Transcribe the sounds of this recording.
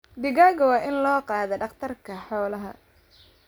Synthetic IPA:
d̪ɪɣaːɣɐwɑːʔɪnlɔːqɑːðɛɖɑqt̪ʰɐrkʰɐħɔːlɐɦɐ

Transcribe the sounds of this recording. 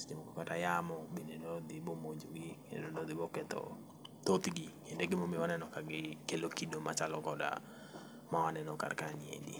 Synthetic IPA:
sdimokɔkatajamɔbinedɔd̪ɪbomoɲd͡ʒoɡikeneodod̪ɪbɔkɛt̪ɔ̰ | t̪ot̪ɡikendeɡɪmomɪwanɛnɔkaɡɪkelokidoma̰t͡ʃalɔɡɔda̰ | mawanɛnɔka̰rkaɲɪḛdḭ

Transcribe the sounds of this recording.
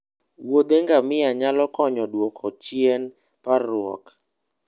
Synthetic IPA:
wod̪eŋɡamɪaɲalɔkɔɲɔdwɔkʰɔt͡ʃjɛn | paɾʊɔ̰k

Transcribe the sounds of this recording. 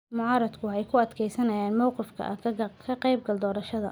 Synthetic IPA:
mʊʕɑːɾɐd̪kʰʊhɛjkʰʊɐd̪kʰɛjsɐnɐjaːnmɒwqɪfkʰɐ̰ʔɐ̰kʰɐqɛjb̚ɡɐld̪ɔːɾɐʃɐðɐ̰

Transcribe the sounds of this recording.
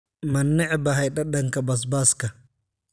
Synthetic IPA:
manːɛʕbaɦajɗaɗaŋkabas̬baska

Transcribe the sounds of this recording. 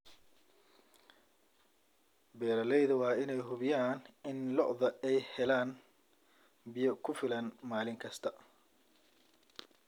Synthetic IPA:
bɛːɾɐlɛjðɐwɑːɪnɛjɦʊβɪjaːnɪnlɔʔðɐɛjhɛlaːn | bɪjɐkʰʊfɪlɐnmaːlɪŋkʰɐst̪ʰɐ

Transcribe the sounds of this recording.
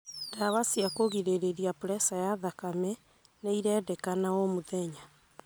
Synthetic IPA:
daβasiakoɣiɾeɾeɾiapuɾɛsajaðakamɛ | neiɾɛːdɛkanaomoðɛɲa

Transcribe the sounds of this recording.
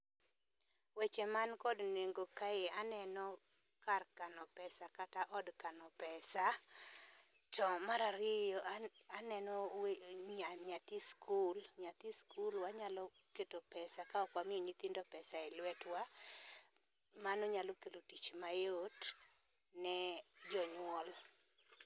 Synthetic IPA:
wɛt͡ʃɛmankɔdneŋɡokajeanɛnɔ | karkanɔpɛsakataʔɔdkanɔpɛsa | tɔmaɾaɾɪjɔanɛnɔɲaɲat̪iskʰulɲat̪iskulwaɲalɔ | ketopɛsakaɔkwamɪoɲit̪indɔpɛsaɛlwɛtwa | manɔɲalokelotit͡ʃmajot | nɛd͡ʒɔɲwɔl

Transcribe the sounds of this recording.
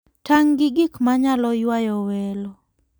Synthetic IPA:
taŋɡɪɡɪkmaɲalɔjwajɔwɛlɔ

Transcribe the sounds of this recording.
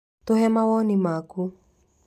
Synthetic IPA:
t̪oɦɛmawɔnimaku

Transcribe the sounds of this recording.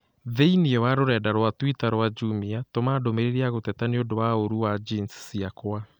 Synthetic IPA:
ðeiniɔwaɾoɾɛːdaɾwatwitaɾwad͡ʒumiatomaːdomeɾeɾiaɣotɛtaneodowaoɾuwad͡ʒinssiakwa

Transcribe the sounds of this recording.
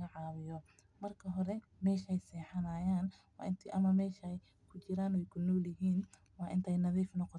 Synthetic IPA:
ɐʕɑːβɪjɔ | mɐrkʰɐɦɔɾɛ | mɛːʃɛjsɛːħɐnaːjaːnwɑ̰ːɪnt̪ʰʔɐmɐmɛːʃɐj | kʰʊt͡ʃɪɾaːnwɛjkʰʊnɔːljɪɦiːn | wɑːʔɪnt̪ʰɛjnɐðiːfnɔqɔ

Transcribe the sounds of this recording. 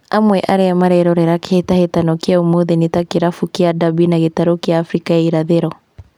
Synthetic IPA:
amwɛʔaɾeamaɾɛɾɔɾeɾakehetahetanɔkjaomoðenetakeɾafukeadabinaɣetaɾokjaːfɾikaaiɾaðeɾɔ

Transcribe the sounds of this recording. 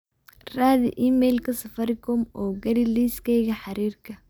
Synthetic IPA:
raːðḭʔiːmɛjlkʰɐsɐfɐɾɪkʰɔmɔːɡɐɾɪliːskʰɛjɣɐħɑɾiːrkʰɐ

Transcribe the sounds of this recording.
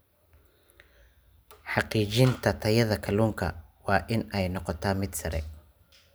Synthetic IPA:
ħɑqiːt͡ʃɪnt̪ʰɐt̪ʰɐjɐðɐkʰɐluːŋkʰɐ̰wɑːʔɪnɛjnɔqɔt̪ʰaːmɪd̪sɐɾɛ̰

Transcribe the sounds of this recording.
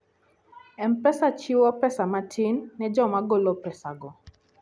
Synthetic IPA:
ɛmpɛsat͡ʃiwɔpɛsamatʰɪnːɛd͡ʒɔmaɡolopɛsaɡɔ

